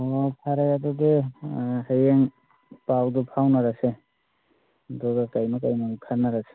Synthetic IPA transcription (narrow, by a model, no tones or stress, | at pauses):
pʰaɾajadudeɦajeŋ | pawdupʰawnaɾase | dɔɡakajmakajmakʰanːaɾase̥